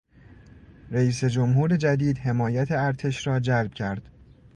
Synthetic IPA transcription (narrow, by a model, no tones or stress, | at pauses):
ɾæiːse̞d͡ʒomɦuːɾe̞d͡ʒæd̪iːd̪he̞mɒːjæt̪ʰeæɾt̪ʰe̞ʃɾɒːd͡ʒælb̥cʰæɾd̪̥